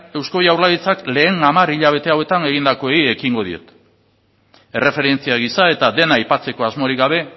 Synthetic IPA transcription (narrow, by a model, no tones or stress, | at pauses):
e̞wsko̞jawrlaðit͡sakle̞ːŋamaɾiʎaβ̞e̞t̪e̞awe̞t̪ane̞ɣind̪ako̞eie̞kiŋɡo̞ðie̞̰t̪ | e̞rʔe̞fe̞ɾe̞nt͡siaɣisae̞t̪aðe̞naːjpat͡se̞ko̞azmo̞ɾikɡaβ̞e̞